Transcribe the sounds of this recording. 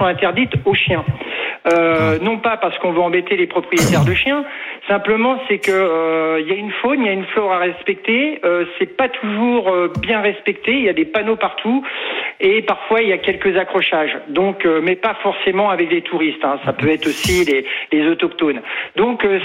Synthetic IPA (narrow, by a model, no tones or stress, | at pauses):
ɔ̃ɛ̃t̪ɛʁd̪it̪oʃjɛ̃ønɔ̃papaʁsə̥kɔ̃vøɑ̃bɛt̪elepχɔpχijet̪ɛʁd̪əʃjɛ̃sɛ̃pləmɑ̃sɛkəøiljaynfoniljaynflɔʁaʁɛspɛk̚t̪eøsɛpat̪ʰuʒuʁøbjɛ̃ʁɛspɛk̚t̪eiljad̪epanopaʁt̪ʰu | epaʁfwailjakʲɛlkəzakχɔʃaʒd̪ɔ̃kømɛpafɔʁsemɑ̃avɛklet̪ʰuʁist̪ɛ̃sapøɛt̪χosilelezɔt̪ɔkt̪ond̪ɔ̃kø